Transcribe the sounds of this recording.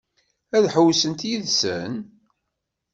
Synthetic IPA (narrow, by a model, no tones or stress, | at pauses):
æðħəwsənt̪jiðsə̰n